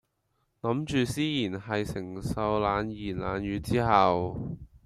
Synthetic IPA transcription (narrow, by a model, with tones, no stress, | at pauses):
lɐ˨˥mt͡ʃyː˨siː˥jiː˨˩nɦɐ˨jsɪ˨˩ŋsɐ˧wlaː˨˧njiː˨˩nla̰ː˨˧njyː˨˧t͡siː˥hɐ˨w